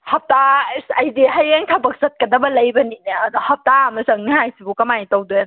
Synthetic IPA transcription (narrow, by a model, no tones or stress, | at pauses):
hɐp̚tasajdiɦajeŋtʰabɐk̚sɐt̚kɐdɐbɐlɐjbɐnineadɔhɐp̚taɐmɐzɐŋniɦajsibukɐmajtowdoje